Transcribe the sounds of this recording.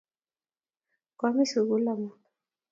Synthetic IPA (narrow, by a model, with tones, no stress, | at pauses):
ka˨˦mi˦su˨ɣu˦la˨mu˦